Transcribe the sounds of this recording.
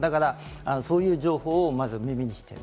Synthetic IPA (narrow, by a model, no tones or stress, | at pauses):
d̪akaɾa | ano̞so̞ːjɯ̟ːʑo̞ːho̞ːmazɨmʲimʲiɲ̟iɕi̥t̪ḛ